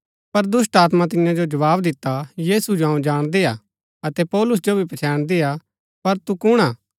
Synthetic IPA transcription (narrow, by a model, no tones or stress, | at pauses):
pɐɾd̪ʊs̬ʈaːt̪mat̪ɪ̃jãd͡ʒod͡ʒɐʋaːbd̪ɪt̪ːajiːsud͡ʒoɦɐ̃ũd͡ʒaːɽ̃d̪eːaː | ɐt̪ɛpɔːlʊs̬d͡ʒobʱipɐt͡ʃʰɛːɽ̃d̪eːja | pɐɾt̪ukʊɽ̃aː